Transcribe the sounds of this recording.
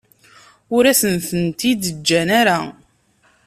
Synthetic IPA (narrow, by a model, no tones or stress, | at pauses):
ʊɾæsənθənt̪id̪əd͡ʒːænaɾa